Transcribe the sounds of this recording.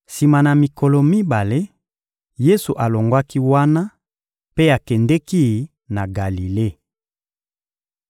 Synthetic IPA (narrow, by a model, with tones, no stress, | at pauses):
si˨ma˨na˨mi˨kɔ˨lɔ˨mi˦ba˨le˦ | je˦su˨ʔa˨lo˨ŋɡwa˦ki˦wa˦na˦ | pe˦a˨kɛ˨ndɛ˦ki˦ | na˨ɡa˨li˨le˦˨